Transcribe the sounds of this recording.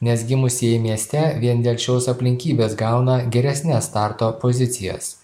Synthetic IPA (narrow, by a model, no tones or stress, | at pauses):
nʲɛsɡʲɪmʊsʲɛmʲiɛsʲt̪ʲɛʋʲiɛnd̪ʲeːlʲt͡ʃʲoːsɐpʲlʲɪŋʲkʲiːbʲeːsɡɑˑʊnɐɡʲɛɾʲɛsʲnʲɛst̪ɑˑɾt̪oːpozʲɪt̪sʲɪjɛ̰s